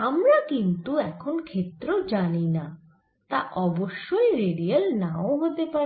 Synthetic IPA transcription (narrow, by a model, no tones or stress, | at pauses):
amɾakint̪uɛkʰonkʰet̪ːɾod͡ʑanina | t̪aʔɔboʃːojɾeɖialnãoɦot̪epaɾi